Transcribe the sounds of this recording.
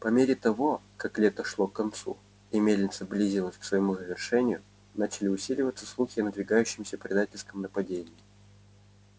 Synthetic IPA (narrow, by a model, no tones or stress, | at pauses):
pɐmʲeɾʲɪt̪ɐvo̞kaklʲet̪əʂlˠokːɐnt̪sṵ | ɪmʲedʲnʲɪt̪səblʲizʲilˠəsʲksvəjɪmuzəvʲɪrʂɛnʲɪjʊ | nat͡ɕɪlʲɪʊsʲilʲɪvət̪sə̥slˠuxʲɪnəd̪vʲɪɡajʉɕːɪmsʲəpɾʲɪd̪atʲɪlʲskəmnəpɐdʲenʲɪː